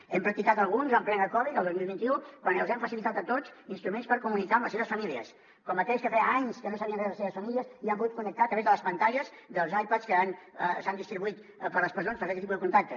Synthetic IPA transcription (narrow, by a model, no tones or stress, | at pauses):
ɛmpɾɐk̚t̪ikat̪əlˠɣunzəmplɛnəkɔβiəlˠd̪ozmilˠβint̪iukwanəlˠzɛmfəsilit̪at̪ət̪ot͡sinst̪ɾumenspəɾkumunikaəmləseβəsfəmiliə̰s | kɔmːək̪ɛskəfɛaɲskənos̬əβiənrɛzðlˠəseβəsfəmiliəsiampuɣut̪̚kunək̚t̪aət̪ɾəβezðələspənt̪aʎəsd̪əlˠzajpaskəanəsand̪ist̪ɾiβuit̪ | pəɾləspəɾsonspəɾkɛt̪ːipuðəkunt̪ak̚t̪ə